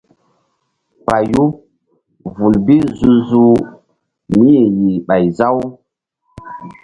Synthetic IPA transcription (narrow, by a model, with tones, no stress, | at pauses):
pa˨ju˦ | vu˨lbi˦zu˧zu˦ | mi˦je˨ji˨ɓa˨jza˦w